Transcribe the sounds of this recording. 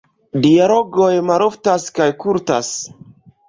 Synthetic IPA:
dialo̞ɡojmaɾoftaskajkuɾta̰s

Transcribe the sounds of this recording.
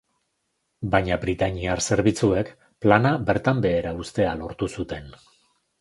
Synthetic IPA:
baɲabɾit̪aɲiarse̞ɾβit͡sue̞k | planabe̞ɾt̪ambe̞ːɾaust̪e̞alo̞ɾt̪usut̪e̞n

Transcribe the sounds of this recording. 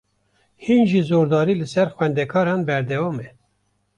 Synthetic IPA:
hiːnʒizoːɾd̪ɑːɾiːlɨsɛɾxwɛnd̪ɛkʰɑːɾɑːnbɛɾd̪ɛwɑːmɛ

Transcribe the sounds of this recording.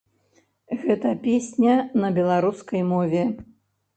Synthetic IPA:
ɣɛt̪ɐpʲesʲnʲɐnɐbʲɛlˠaɾuskɐjmɔvʲɛ

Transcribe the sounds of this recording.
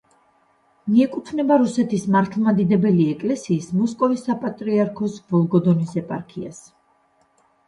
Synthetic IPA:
miɛkʼut̪ʰvnɛbaɾusɛt̪ʰismaɾt̪ʰlˠmad̪id̪ɛbɛliɛkʼlɛsiːsmɔskʼɔvisːapʼat̪ʼɾiaɾkʰɔsv̥ɔlˠɡɔd̪ɔnisɛpʼaɾkʰia̰s

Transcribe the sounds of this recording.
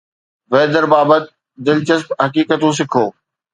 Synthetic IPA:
ʋeːd̪əɾbaːbət̪̚ | d̪ɪlt͡ɕəspɦɐkiːkət̪ũːs̬ɪkʰoː

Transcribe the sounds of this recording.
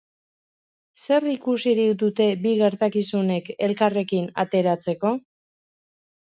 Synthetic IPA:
se̞rikusiɾikd̪ut̪e̞biɣe̞ɾt̪akisune̞ke̞lkare̞kina̰t̪e̞ɾat͡se̞ko̞

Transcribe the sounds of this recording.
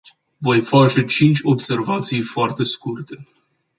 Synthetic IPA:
vo̞jfat͡ʃe̞t͡ʃint͡ʃʲo̞bse̞rvat̪sijfoart̪e̞skurt̪e̞

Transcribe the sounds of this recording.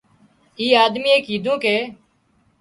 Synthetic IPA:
iːaːd̪miːeːkiːd̪ʱõːkeː

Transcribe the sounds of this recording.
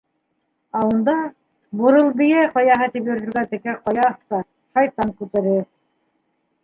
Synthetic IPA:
æŭnd̪ɑ | bŏɾɤlˠbɘ̆jæjqɑjɑɦɤt̪ipjɵ̆ɾðɵ̆ɾɡæt̪ɘ̆kæqɑjɑθt̪ɑ | ʃɑjt̪ɑŋkʉt̪æɾɘ

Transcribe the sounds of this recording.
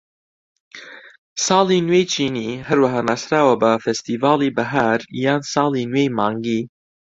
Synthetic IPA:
sɑːlˠinwejt͡ʃʰiːniɦɐɾwɐɦaːnaːsɾaːwɐbɐfɛst̪iːvaːlˠibɐɦaɾjaːnsɑːlˠinwejmɑːŋɡiː

